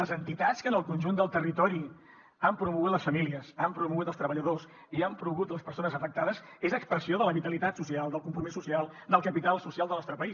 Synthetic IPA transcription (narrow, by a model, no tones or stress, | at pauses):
əzənt̪it̪atskənəlˠkunʲʒund̪əlˠt̪ərit̪ɔɾi | ampɾumuɣut̪ləsfəmiliəsampɾumuɣut̪əlˠst̪ɾəβəʎəðos | iampɾuɣ̞ut̪ləspəɾsonəzəfək̚t̪aðəs | ezəkspɾəsioðələβit̪əlit̪at̪susialˠd̪əlˠkumpɾumisusialˠd̪əlˠkəpit̪alˠsusialˠd̪ənɔst̪ɾəpəis